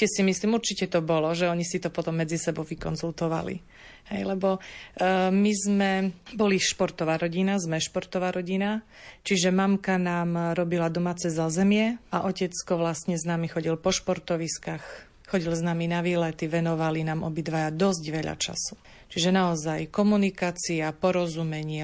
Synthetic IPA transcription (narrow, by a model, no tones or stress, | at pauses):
ɛsimisliːmuɾt͡ʃicɛt̪ɔbɔlɔʒɛɔɲisit̪ɔpɔt̪ɔmːɛd͡zisɛbɔʊʋikɔnzult̪ɔʋa̰lḭ | hɛ̰jlɛbɔ | mizmɛbɔliʃpɔɾt̪ɔʋaːɾɔɟinazmɛʃpɔɾt̪ɔʋaːɾʔɔɟinat͡ʃiʒɛmamkanaːmɾɔbilad̪ɔmaːt͡sɛzazɛmɪɛʔaʔɔcɛt͡skɔʋlasɲɛznaːmixɔɟilpɔʃpɔɾt̪ɔʋiskax | xɔɟilznaːminaʋiːlɛt̪iʋɛnɔʋalinaːmʔɔbid̪ʋajad̪ɔzɟʋɛʎa̰t͡ʃa̰su̥ | t͡ʃiʒɛnaɔzajkɔmunikaːt͡siapɔɾɔzumɛɲɪɛ